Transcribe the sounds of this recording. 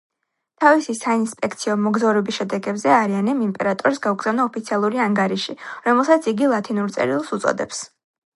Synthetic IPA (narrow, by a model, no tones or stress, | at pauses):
t̪ʰavisisainspʼɛkʰt̪sʰiɔmɔɡzavɾɛbisʃɛd̪ɛɡɛbzɛaɾianɛmimpʼɛɾat̪ʼɔɾsɡauɡz̥avnaɔpʰit̪sʰialˠuɾiaŋɡaɾiʃiɾɔmɛlˠsat̪sʰiɡilˠat̪ʰinuɾt̪sʼɛ̰ɾilˠsut̪sʼɔ̰d̪ɛ̰ps